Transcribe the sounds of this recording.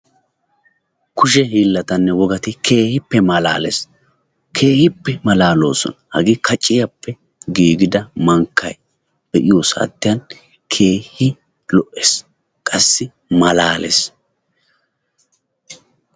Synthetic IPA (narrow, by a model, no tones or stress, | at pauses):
kʊʃ̬ɛɦiːlːɐt̪ɐnːɛwɔɡɐt̪ɪkʰe̞ːhɪpːɛmɐla̰ːlɛ̰s | kʰe̞ːhɪpːɛmɐlaːlo̞̰ːsɔ̰nɐhɐɡiːkʰɐt͡ʃʼːɪjɐpːɛ | ɡiːɡɪd̪ɐmɐŋkːɐ̰j | b̥ɛʔɪjoːsa̰t̪ːɪjɐn | kʰe̞ːhɪ | lɔʔes | kʼɐsːɪ | mɐlaːlḛs